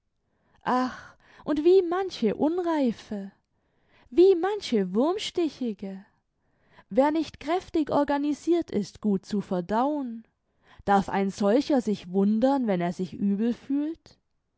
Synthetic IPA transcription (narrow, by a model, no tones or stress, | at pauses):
ʔax | ʔʊntv̥iːmançəʔʊnʁaɪfə | viːmançəvʊɐmʃtɪçɪɡə | veːɐnɪçtkʁ̥ɛftɪçʔɔ̰ɐɡaniziːɐtʰɪstɡ̥uːt̚t͡sufɛɐdaʊən | d̥aɐfa̰ɪnzɔlçɐzɪçvʊndɐnvɛneːɐzɪçʔyːbl̩fyːlt